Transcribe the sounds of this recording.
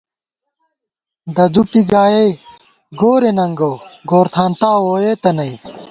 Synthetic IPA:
d̪ɐd̪upiɡaːje | ɡoːɾenɐŋɡɐwɡoːɾt̪ʰaːnt̪aːwoːjet̪ɐnɐi

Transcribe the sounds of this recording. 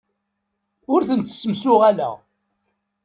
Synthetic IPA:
ʊɾθənt̪ːə̥sːəmsʊʁælæ̰

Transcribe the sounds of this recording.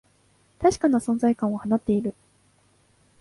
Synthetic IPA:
t̪aɕi̥kanasõ̞nzaikãɰ̃ohanat̪ːe̞iɾɯ̟

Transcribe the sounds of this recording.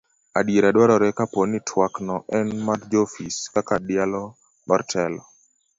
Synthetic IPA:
adjeɾadwaɾɔɾɛkaponɪtʰwaknɔʔɛnmaɾd͡ʒofiskakadɪalɔ | bartʰɛlɔ

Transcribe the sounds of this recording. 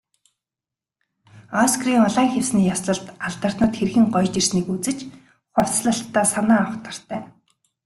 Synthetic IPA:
ɔskriːŋɔɮaːŋxʲewsniːjasɮə̆ɮt̪aɮt̪ə̆r̥t̪nə̆t̪xerxɘ̆ŋɢɔjt͡ɕirsniːkut͡sɘ̆t͡ɕ | χʊr̥t͡sɮə̆ɬt̪ːaːsanaːɔχt̪ə̆r̥t̪ʰæː

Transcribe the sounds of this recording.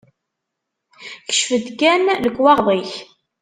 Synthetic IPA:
çə̥ʃfəd̪kænləkːwɑʁðˤiç

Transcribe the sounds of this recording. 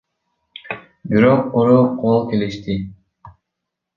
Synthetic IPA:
biɾoquɾoqʰolˠke̞liʃt̪i

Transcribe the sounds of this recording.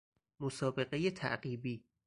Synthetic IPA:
mosɒːbe̞ɢejet̪ʰæ̰ʔɢiːbiː

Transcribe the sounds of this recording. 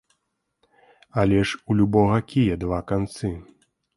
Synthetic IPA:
alʲɛʂulʲubɔɣɐkʲijɐd̪vakant̪sɨ

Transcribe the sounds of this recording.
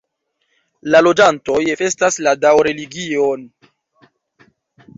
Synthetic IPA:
lalo̞d͡ʒanto̞jfe̞stasladawɾe̞liɡio̞n

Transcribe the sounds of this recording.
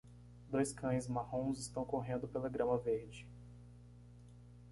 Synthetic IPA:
d̪ojskʰɐ̃j̃zmahõw̃zɪst̪ɐ̃w̃koɦẽnd̪ʊpeleɡɾɐ̃mɐveɾd͡ʒɪ

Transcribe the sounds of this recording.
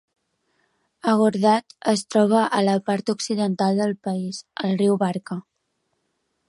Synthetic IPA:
əɣuɾðat̪əst̪ɾɔβ̞əʔələpaɾt̪uksiðənt̪alˠd̪əlˠpəizəlˠriwβaɾkə

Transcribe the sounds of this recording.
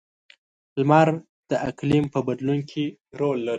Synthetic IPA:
lmaɾ | d̪̥əʔaklimpəbad̪lunkʰiɾolːaɾi

